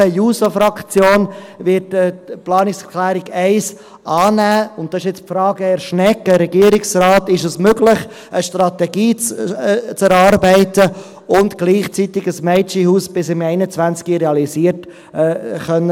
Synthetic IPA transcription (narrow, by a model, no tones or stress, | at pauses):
əjuːsofɾɑkt͡sjoːnvɪtɛplɑːnɪkskʰlæːɾɪɡɛɪs | ʔɑːnæːʊnt̚dɑɪʃɪt͡spfɾɑːɡəɛɾʃnɛkːəɾɛɡiəɾɪksrɑːt̪ɪʃəsmøɡlɪχ | ʔəʃtɾɑtɛɡiːt͡st͡sɛɾɑːɾbɛɪtə | ʊntɡ̥liːχt͡sit̪ɪɡəsmɛɪt͡ʃihuːsb̥ɪsɪmɛɪnət͡sʋænt͡skiɾɛɑlisiːətː | χœnːə